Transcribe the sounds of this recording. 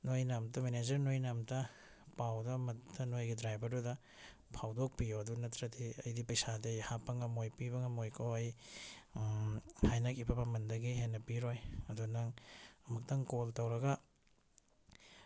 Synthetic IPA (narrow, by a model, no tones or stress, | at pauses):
nojnamtɐmened͡ʒɐɾnojnamtɐ | pawdɐmɐttɐnojɡidɾajbɐɾdudɐ | pʰawdok̚pijoɐdunɐtɾɐdiɐjdipɐjsadejhapːɐŋɐmojpiβɐŋɐmojkʰowɐj | hajnɐkibɐbɐmɐndɐɡiɦenɐpiɾojɐdunaŋɐmɐk̚tɐŋkoltɐwɾɐɡɐ